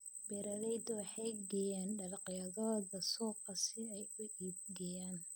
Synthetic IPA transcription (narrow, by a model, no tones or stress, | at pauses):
bɛɾɐðɛjd̪ɔwɑħɑjɡɛjaːnɖɐlɑqjɐðɔːðɐsɔːqɐsɪɛjʊiːb̚ɡɛjaːn